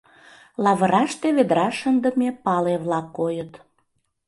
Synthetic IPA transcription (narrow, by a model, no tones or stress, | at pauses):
lɑβəɾɑʃt̪eβed̪ɾɑʃənd̪əmepɑleβlɑkːojət̪